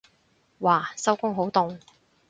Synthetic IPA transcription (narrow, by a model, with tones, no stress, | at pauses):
waː˨˩sɐ˥wkʊ˥ŋɦo˨˥wt̪ʊ˨ŋ